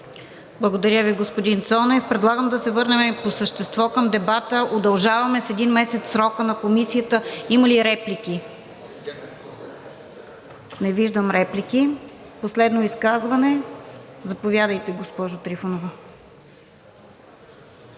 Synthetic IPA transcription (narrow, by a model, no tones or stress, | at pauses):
blˠəɡod̪ɐɾʲəviɡospod̪int̪sɔnɛfpɾɛd̪lˠaɡəmd̪ɐsɛvɤɾnɛmɛposəʃt̪ɛst̪vɔkəmd̪ɛbat̪əʔod̪ɐlˠʒavɐmɛsɛd̪inmɛsɛt̪sɾɔkənɐkomisijət̪əimɐliɾɛplikʲi | nɛviʒd̪əmɾɛpliki | poslɛd̪noiskazvɐnɛ | zɐpovʲjad̪əjt̪ɛɡospɔʒʊt̪ɾifonovə